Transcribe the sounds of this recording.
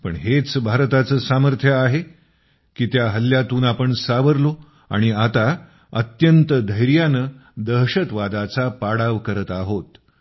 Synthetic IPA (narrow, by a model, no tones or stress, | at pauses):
pə̰ɳɦet͡sbʱaɾt̪at͡səːsaməɾt̪ʰjəaɦe | kiːt̪jaɦəlːjat̪uːnapəɳsaʋəɾlo | a̰ɽ̃iat̪a | ət̪jənt̪əd̪ʱəjɾjanəd̪əɦɕət̪ʋad̪at͡sapaɽaʋkəɾət̪aɦot̪